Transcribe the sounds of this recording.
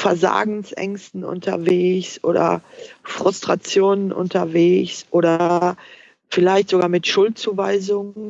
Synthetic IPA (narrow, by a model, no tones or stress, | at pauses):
fɛɐza̰ːɡŋ̩sʔɛ̰ŋstn̩ʔʊ̰ntʰɐ̰veːçsʔoːdɐ̰fʁ̥ʊstʁ̥at͡sjoːnənʔʊ̰ntɐveːçsʔoːɾɐ | fɪlaɪçtz̥oɡaːɐmɪtʃʊlt̚t͡suːvaɪzʊŋən